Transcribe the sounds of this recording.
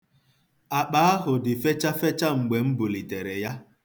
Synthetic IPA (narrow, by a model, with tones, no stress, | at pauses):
a˨k͡pa˦a˦ɦʊ˨dɪ˨fe˦t͡ʃa˦fe˦t͡ʃa˦ŋ͡m̩˨ɡ͡be˨ŋ͡m̩˦bʊ˨li˨te˨ɾe˨ja˦